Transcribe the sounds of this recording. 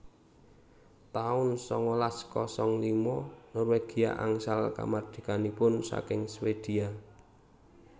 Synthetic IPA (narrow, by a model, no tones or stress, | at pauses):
t̪aʊnsɔŋɔlaskɔsɔŋlimɔnɔrweɡ̥i̤a̰ʔaŋsalka̰mard̪̥i̥̤kanipʊnsa̰kɪŋswed̪̥i̤a